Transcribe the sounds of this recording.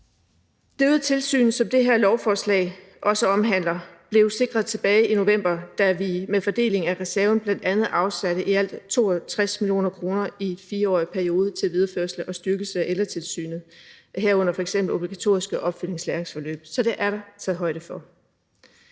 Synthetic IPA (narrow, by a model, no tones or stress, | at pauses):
d̥øð̩ˠt͡sʰe̝lsy̰ːn̩sɒ̽md̥e̝ɦeɐlɒʊfɒːslɛ̰ɪ | ʔɒ̽səɒ̽mɦæn̰lɐb̥le̝ʊse̝ɡ̥ʁɐðˠt͡sʰe̝b̥ɛːɪino̝ʋem̰b̥ɐd̥æʋimefɒ̽d̥e̝̰ːle̝ŋæʁɛsæɐʊn̩b̥lænd̥ænð̞̩ˠɑ̈ʊsæɾəʔiæl̰d̥t͡sʰo̝̰ːɒt͡sʰʁasmilijo̝̰ːnɐkʰʁo̝ːnɐifiːɐɒ̰ːipʰæɐio̝ːð̞ˠət͡sʰe̝lʋið̞ˠɐføɐ̰sl̩əʔɒ̽sd̥yɐɡ̥əsəæʔelɐt͡sʰe̝lsy̰ːnð̩ˠ | ɦæɐ̰ɔ̽n̰ɐfɒeɡ̥semb̥l̩o̝b̥liɡ̥æt͡sʰo̝̰ːisɡ̥əʔɒ̽b̥fyl̰e̝ŋslæɐʁeŋsfɒ̽lø̰ːb̥sɒ̽d̥e̝ʔæɐɾɑ̈t͡sʰɛðˠɦɒ̽ɪɾ̥əfɒ̽